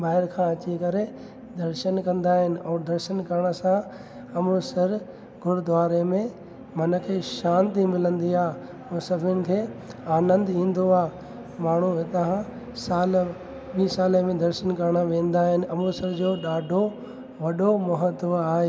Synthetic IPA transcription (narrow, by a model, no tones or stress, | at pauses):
ɓaːɦɪɾkʰãɐt͡ɕikɐɾe | d̪ɐɾʃənkɐ̃nd̪aːɦɪnɪ̆ɔːd̪ɐɾʃənkɐɾɽ̃əsã | ɐmusɪɾ | ɡʱʊɽd̪ʋaːɾemẽ | mɐnə̆kʰeːʃãːnt̪imɪlə̃nd̪iaː | mũːsɐbʱʊnɪ̆kʰeːaːnə̃nd̪ĩːn̆d̪oaː | maːɳ̤uɪt̪ɐɦã | saːl | ɓĩːsaːləmẽd̪ɐɾʃənkɐɾɽ̃ãʋẽːn̆d̪aːɦɪnɪ̆ɐmusɐɾd͡ʑoːɗaːɖʱo | ʋɐɗomʊɦət̪ːaːɦeː